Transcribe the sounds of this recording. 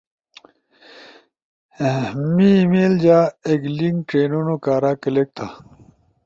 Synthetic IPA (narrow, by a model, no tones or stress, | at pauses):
mimeːld͡ʑaːeɡliŋɡʈeːnunokaːɾaːkelek̚t̪ʰa